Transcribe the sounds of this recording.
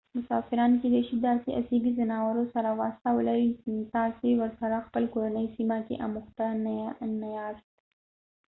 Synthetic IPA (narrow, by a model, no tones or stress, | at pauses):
mʊsɑfɪɾɑnked̪aʃid̪ɑɾseʔa̰seɡizənɑwaɾosaɾawɑ̰st̪awəlawint̪ɑsewəɾsaɾaxpəlkoɾanəjsimakḛʔa̰muxt̪annajɑʃt̪